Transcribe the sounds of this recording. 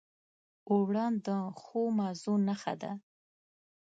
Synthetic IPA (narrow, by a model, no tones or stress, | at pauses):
owɽɑnd̪əxomɑzunaxa̰d̪a̰